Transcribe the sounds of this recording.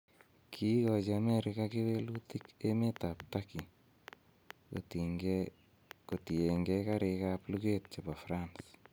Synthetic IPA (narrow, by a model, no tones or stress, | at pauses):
kʰikɔt͡ʃamɛɾɪkakiβelutikemetaptaki | kotieŋɡɛkaɾekapluket̚t͡ʃepafɾans